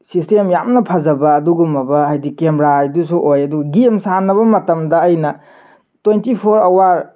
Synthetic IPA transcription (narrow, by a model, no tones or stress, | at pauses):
sistemjamnɐpʰɐzɐbɐːduɡumɐbɐɦajdikemɾajdusuʔojɐduɡɐɡiemsanːɐβɐmɐtɐmdɐːjnɐ | twentipʰoɾɐwaɾ